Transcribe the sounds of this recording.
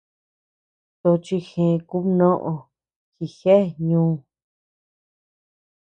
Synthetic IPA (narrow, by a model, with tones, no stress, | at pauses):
t̪o˧t͡ʃi˧xẽ˨˧ku˦nõ˦ʔõ˧ | xi˧xe˦˨ɲũː˦